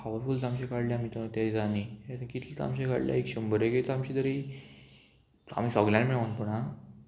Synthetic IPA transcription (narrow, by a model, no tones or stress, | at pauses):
paʋəɾfult̪amɕekaɽljamit̪t̪ad͡zaniet̪əkit̪lit̪a̰mɕẽka̰ɽlja̰ekɕəmbəɾjekit̪amɕid̪əɾi | a̰m̤iːsɔɡljãnmiɭənpəɽ̃a